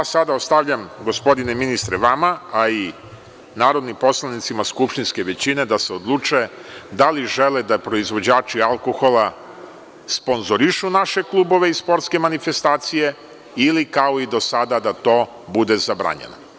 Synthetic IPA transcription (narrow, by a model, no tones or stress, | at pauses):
jasad̪aost̪aʋʎamɡo̞spo̞d̪ine̞minist̪ɾeʋamaai | naːɾo̞d̪nimpo̞slˠanit̪simaskupʃt̪inske̞ʋe̞t͡ɕine̞d̪ase̞od̪lˠuːt͡ʃued̪aliʒeled̪apɾo̞izʋo̞d͡ʑaːt͡ʃialˠkoxo̞lˠa | spo̞nzo̞ɾiʃunaʃe̞klˠubo̞ʋe̞ispo̞ɾt̪ske̞manife̞st̪aːt̪sije̞ | ilikao̞id̪o̞sad̪ad̪at̪o̞ː | bud̪e̞zabɾa̰ɲḛno̰